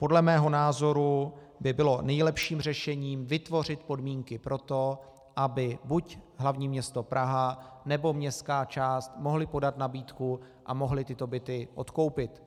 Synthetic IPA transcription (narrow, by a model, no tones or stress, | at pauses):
po̞dlɛmɛːɦo̞naːzo̞ɾu | bɪbɪlo̞nɛjlɛpʃiːmr̝ɛʃɛɲiːmvɪt̪vo̞r̝ɪt̪po̞dmiːŋkɪpɾʔo̞t̪o̞ | ʔabɪbucɦlavɲiːmɲɛst̪o̞pɾʔaɦanɛbo̞mɲɛst̪kaːt͡ʃaːst̪mo̞ɦlɪpo̞dat̪nabiːt̪ku | ʔamo̞ɦlɪt̪ɪt̪o̞bɪt̪ɪʔo̞̰t̪ko̞wpɪt̪